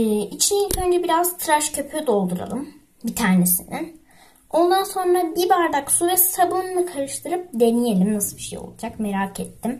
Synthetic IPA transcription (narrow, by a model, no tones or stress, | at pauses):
it͡ʃʰininønd͡ʒɛbiɾazt̪ʰɾaʃcʰøpʰød̪o̞lˠd̪uɾa̰lˠɯm | bit̪ʰaːne̞sinin | o̞nd̪anso̞nɾabibaɾd̪aksuɾɛsabɯnɯnˠɯkʰaɾɯʃt̪ʰɯɾɯp̚d̪e̞nijelʲimnasɯlˠbiʃḛjo̞̰lˠud͡ʒakme̞ɾaket̪ʰːim